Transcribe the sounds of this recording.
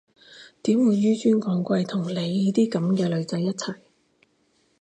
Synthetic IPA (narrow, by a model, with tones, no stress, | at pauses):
t̪iː˨˥mwuː˨˧jːyː˥t͡ʃyː˥nkɔː˨˥ŋkʷɐ˧jt̪ʰʊ˨˩ŋle˨˧jːiː˦˥t̪iː˥kɐ˨˥mkɛː˧lɵ˨˧ɥt͡sɐ˨˧jːɐ˥t̚t͡sʰɐ˨˩j